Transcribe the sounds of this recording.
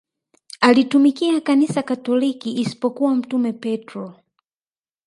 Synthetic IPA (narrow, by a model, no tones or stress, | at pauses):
alitumikiakanisakatɔlikiʔːsi̥pɔkuwam̩tumɛpɛtɾɔ